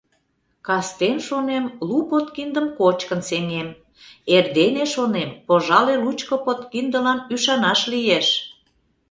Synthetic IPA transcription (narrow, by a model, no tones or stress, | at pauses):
kɑst̪enʃonemlupot̪kind̪əmkot͡ɕkənseŋem | erd̪eneʃonempoʒɑlelut͡ɕkopot̪kind̪əlɑnyʃɑnɑʃlijeʃ